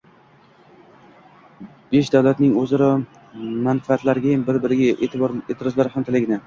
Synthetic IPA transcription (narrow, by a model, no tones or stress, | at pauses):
b̥eʃd̪awlat̪nɪŋozɪɾɪ | manfaat̪laɾɡʲajambɪɾbɪɾɪɡʲaʔebɾet̪ʰɪɾɒzlaɾhamt̪ʰɪlɪɡʲɪnɪ